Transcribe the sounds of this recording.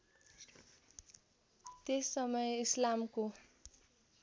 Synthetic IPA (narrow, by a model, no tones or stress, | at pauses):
t̪esːʌmʌjislamko